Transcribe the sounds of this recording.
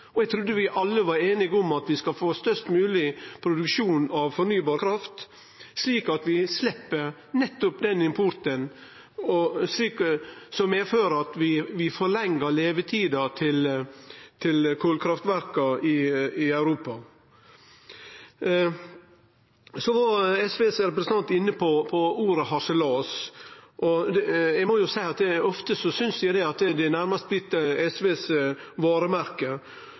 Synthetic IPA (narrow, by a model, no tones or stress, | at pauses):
ɔɛɡ̚t̪ʰɾʉd̪ːəʋɪʔɑlːəʋɑɾeːnɪɡɔmɑt̪ʋɪskɑfoːst̪œʂt̪mʉːlɪpʰɾʊd̪ʉkʂuːnɑʋfɔnyːbɑːɾkʰɾɑft̪ | sliːkɑt̪ʋɪslɛpːə | nɛt̪ːʊpd̪ɛnɪmpʰʊɾt̪ən | ɔsliːksɔmɛføːɾɑt̪ʋɪʋɪfɔɾɭɛŋːəɾleːʋət̪ʰiːd̪ɑt̪ʰɪl | t̪ʰɪlkʰoːlkʰɾɑft̪ʋæɾkɑɪɪɑʉɾuːpɑ | sɔʋɑɾɛsʋeːsɾɛpɾɛsənɑnt̪ɪnːəpʰɔpʰɔuːɾəɦɑʂəloːsʔɔd̪jɛmɔjʊsæɪɑt̪ɛɔft̪əsɔsʏnsæd̪ɛɑt̪əd̪ɛnæɾmɑst̪̚blɪt̪ːəɛsʋeːsʋɑːɾəmæɾkə